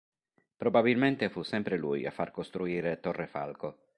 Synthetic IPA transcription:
pɾobabilment̪efusɛmpɾeluja̰fːarkost̪ɾuiːɾet̪orːefa̰lko

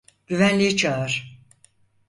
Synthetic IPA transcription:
ɟ̥yvænlʲijit͡ʃʰaaɾ̥

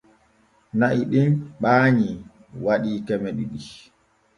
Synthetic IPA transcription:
naʔiɗinɓaːɲi | waɗiːkɛmɛɗiɗi

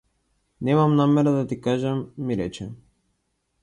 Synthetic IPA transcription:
nɛmamnamɛɾad̪at̪ikaʒɛmːiɾɛt͡ʃɛ

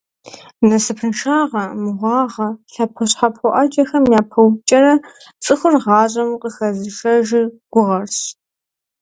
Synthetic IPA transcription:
nɐsɨpʰɨnʃaːʁɐmɨʁʷɑːʁɐɬɐpʰɐɕħapʰɔʔɐd͡ʒɐxɐmjaːpʰɐwt͡ʃʼɐɾɐ | t͡sʼɨxʷʊrʁɑːʑʼɐmqʼəxɐzɨʃɐʒɪɡ̥ʷʊʁɐrɕ

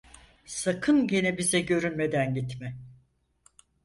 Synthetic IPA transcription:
sakʰɯnɟenɛbizɛɟø̞ɾynme̞d̪ænɟit̪mɛ

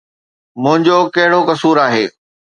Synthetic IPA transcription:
mʊ̃ɦɪ̃ɲd͡ʑokɐɦɪɽokɐsuːɾaːɦeː

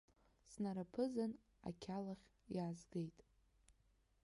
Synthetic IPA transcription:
snaɾapʰɨzan | a̰kʲʰalaχʲjaːzɡejtʼ

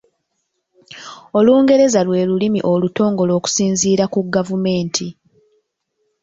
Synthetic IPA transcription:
o̞luːŋɡe̞ɾe̞zalwe̞ːlulimiʔo̞luto̞ːŋɡo̞lo̞ːku̥siːnziːɾakuɡavume̞ːntʰi

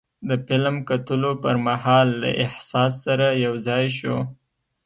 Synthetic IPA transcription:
d̪əpɪlmkat̪əlopəɾmahɑlːa̰ʔɪhsɑsːaɾajawzɑjʃo

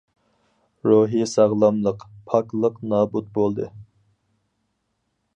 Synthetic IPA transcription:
ɾoɦisɑʁlˠɑmlˠəqpʰɑklˠəqnɑːbut̪̚bolˠd̪ɨ

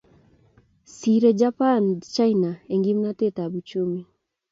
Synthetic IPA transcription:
siɾɛd͡ʒapant͡ʃainaeŋɡimnatetaβut͡ʃumi

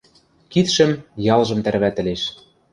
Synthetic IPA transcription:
kit̪ʃɘ̆mjɑlˠʒɤ̆mt̪æɾβæt̪ɘ̆leʃ

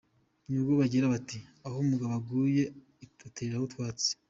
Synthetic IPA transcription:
nubɡoβaɟiɾaβatiahomuɡaβaɡuje̞ | tuteːɾahotwaːt͡se̥

